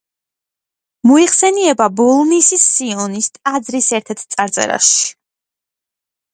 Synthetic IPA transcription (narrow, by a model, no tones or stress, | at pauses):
mɔiχsɛniɛbabɔlˠnisisːiɔnist̪ʼad̪zɾisɛɾt̪ʰɛɾt̪ʰt̪sʼaɾt̪sʼɛ̰ɾa̰ʃi̥